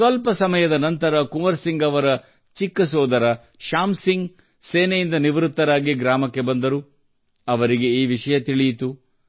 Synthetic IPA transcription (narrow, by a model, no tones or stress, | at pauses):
sʋɐlpɐsɐmɐjɐd̪ɐnɐnt̪ɐɾɐkumɐɾsiŋɡɐʋɐɾɐ | t͡ʃikːɐsɔːd̪ɐɾɐ | ʃaːmsiŋɡ | seːnɛjind̪ɐniʋɾut̪ːɐɾaːɡiɡɾaːmɐkːe̞bɐnd̪ɐɾu | ɐʋɐɾiɡe̞iːʋiʂɐjɐt̪iɭijit̪u